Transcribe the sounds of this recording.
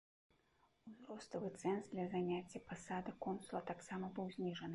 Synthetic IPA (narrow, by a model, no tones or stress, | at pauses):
uzɾɔst̪ɐvɨt̪sɛnzd̪lʲɐzanʲat͡sʲːɐpasad̪ɨkɔnsulˠɐt̪aksamɐbɨwzʲnʲiʐɐnɨ